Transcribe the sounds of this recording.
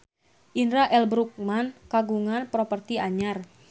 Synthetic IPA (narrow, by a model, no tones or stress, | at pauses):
ʔinɾaʔɛlbɾuk̚mankaɡuŋanpɾɔpərt̪iaɲar